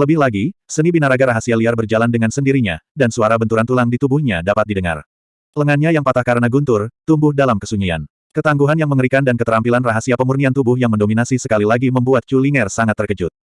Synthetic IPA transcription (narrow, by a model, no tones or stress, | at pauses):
ləbɪhlaɡisənibinaɾaɡaɾaɦasialiarbərd͡ʒalandəŋansəndiɾiɲa̰dansuaɾabənt̪uɾant̪ulaŋdit̪ubʊhɲadapat̪̚didəŋa̰r | ləŋanɲajaŋpat̪ahkaɾənaɡunt̪ʊrt̪umbʊhdalamkəsuɲia̰n | kət̪aŋɡuɦanjaŋməŋəɾikandankət̪əɾampilanraɦasiapəmurniant̪ubʊhjaŋməndominasisəkalilaɡiməmbuat̪̚t͡ʃuliŋɛrsaŋat̪ːərkəd͡ʒʊt̪̚